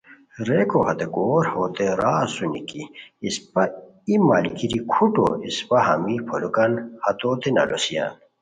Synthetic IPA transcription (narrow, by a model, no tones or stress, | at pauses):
ɾekohɐt̪ekoːɾhoːt̪eɾaːsunḭkiːspɐ | imaːlikiɾikʰuʈo̰ispɐɦɐ̰mipʰolukɐnhɐt̪oːt̪enɐ̰lʔosija̰n